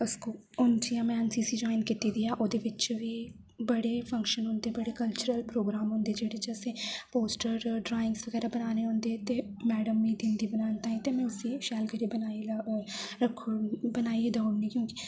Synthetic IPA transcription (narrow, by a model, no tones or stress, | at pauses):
ʊskoː | ʊnd͡ʒiãːmɛ̃ːənsiːsiːd͡ʒoːɪnkit̪iːd̪iːaːʔoːd̪eːʋɪt͡ʃʋiː | bəɽeːpʰə̃ŋkʃənɦʊ̃nd̪eːbəɽeːkəlt͡ʃʊɾəlpɾoːɡɾaːmɦʊ̃nd̪eːd͡ʒeːɽed͡ʒəseːpoːsʈəɾɖɾaːɪ̃ŋɡsʋəɡɛːɾaːbənaːneːɦʊ̃nd̪eːt̪eːmɛːɖəmːiːd̪ɪ̃nd̪iːbənaːnt̪aːɦɛ̃ːt̪emɛ̃ːʊsiːʃɛːlkəɾiːbənai | ɾəkʰbənaːieːd̪aʊnnĩːkjõːkɪ̥